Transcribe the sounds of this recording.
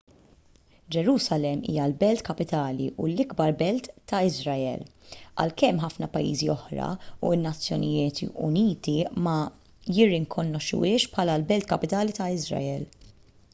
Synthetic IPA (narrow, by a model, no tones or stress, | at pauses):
d͡ʒɛɾuːsɐlɛmḭːjɐlbɛlt̪kɐpɪt̪ɐːlḭʔulɪɡbɐɾbɛlt̪ːɐɪzɾɐɛ̰lɐ̰lkɛmːħɐfnɐpɐjːḭːziɔħɾɐ̰uɪnːɐt͡sːjɔnɪjɪːt̪ʊ̰niːt̪imɐ | jɪrːɪŋkʰɔnɔʃːʊ̰ɪːʃpħɐːlɐlbɛlt̪kɐpɪt̪ɐːlit̪ɐɪzɾɐ̰ɛl